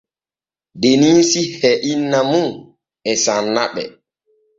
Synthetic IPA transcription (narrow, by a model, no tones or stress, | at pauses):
deniːsihɛʔinːamun | ɛsanːaɓɛ̰